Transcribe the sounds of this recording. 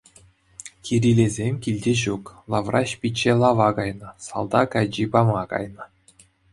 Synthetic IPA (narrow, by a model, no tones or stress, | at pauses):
kʲiɾʲilʲezʲemʲkʲilʲdʲeʑuklˠɑʋrɑɕpʲit͡ɕːelˠɑʋɑkɑjnɤ̆sɑ̰lˠd̪ɑkɑjd͡ʑibɑmɑkɑ̰jnɤ̆